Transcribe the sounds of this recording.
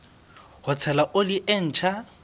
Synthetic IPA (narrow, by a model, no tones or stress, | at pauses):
hʊt͡sʰɛlaʔoliʔen̩ːt͡ʃʰa